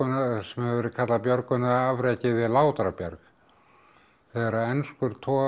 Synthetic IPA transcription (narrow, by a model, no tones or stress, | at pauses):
ʏnasɛmɛɛvɛːɾɪðkʰat̪lapjœɾkʏnaavɾɛcɪvɪðlaːwt̪ɾapjaɾk | θɛɛɾaɛnskʏɾ̥t̪ʰɔː